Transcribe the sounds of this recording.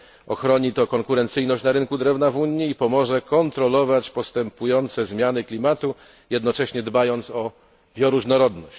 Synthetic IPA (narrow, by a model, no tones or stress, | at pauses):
ʔɔxɾɔɲit̪ɔkɔŋkuɾɛnt̪sɘjnɔɕt͡ɕnaɾɘŋkud̪ɾɛvnavuɲːiːpɔmɔʐɛkɔnt̪ɾɔlɔvat͡ɕpɔst̪ɛmpujɔnt̪sɛzmʲjanɘklʲimat̪u | jɛd̪nɔt͡ʂɛɕɲɛd̪bajɔnt̪sɔ | bʲjɔɾuʐnɔɾɔd̪nɔɕt͡ɕ